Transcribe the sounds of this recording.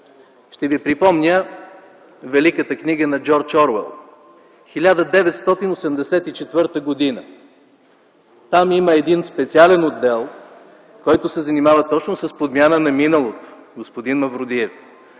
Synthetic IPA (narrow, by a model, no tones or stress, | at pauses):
ʃt̪ɛvipɾipɔmnʲə | vɛlikət̪əkniɡənɐd͡ʒɔɾt͡ʃɔɾvɛ̰lˠ | xilʲad̪əd̪ɛvɛt̪st̪ɔt̪inosɛmd̪ɛsɛt̪it͡ʃɛt̪vɤɾt̪əɡod̪inə | t̪amiməɛd̪inspɛt̪sialɛnod̪ːɛlˠ | kɔjt̪ʊsɛzɐnimavət̪ɔt͡ʃnʊsəspod̪mʲanənɐminəlˠot̪ʊ̥ | ɡospod̪inmɐvɾʊd̪iɛf